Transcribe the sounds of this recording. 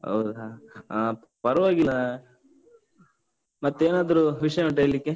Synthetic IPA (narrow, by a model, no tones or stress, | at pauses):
ɦɐ̰wd̪a | pɐɾɐʋaːɡilːɐ | mɐt̪ːueːnaːd̪ɐɾuʋiʂɐjɐuɳʈɐːɭlikːe